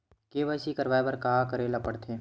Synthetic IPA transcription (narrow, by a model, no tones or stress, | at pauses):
keːʋaːsikɐɾʋaːebɐɾkɐɦakɐɾelɐpəɽt̪ʰeː